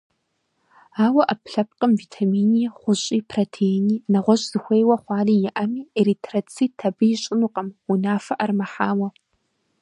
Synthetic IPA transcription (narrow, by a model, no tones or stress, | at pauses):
aːwɐʔɐpʰɬɐp̚qʼəmviːtʰɐmiːniːχʷʊɕʼiːpʰrotʰeniːnɐʁʷɔʑz̥ɨxʷeːjwɐχʷɑːriːjɪʔɐmiːeɾitʰrɐt͡sʰiːtʰɐbɨjɪɕʼɪnuqʼɐmunaːfɐʔɐrmɐħaːwɐ